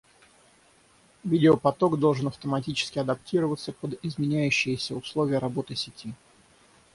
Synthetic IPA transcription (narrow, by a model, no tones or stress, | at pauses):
vʲidʲɪopɐt̪o̞ɡd̪o̞lˠʐɨnɐft̪əmɐtʲit͡ɕɪ̥skʲɪɐd̪ɐptʲiɾəvət̪səpəd̪ɪzmʲɪnʲæjʉɕːɪjəsʲəʊslˠovʲɪjəɾɐbo̞t̪ɨsʲɪtʲi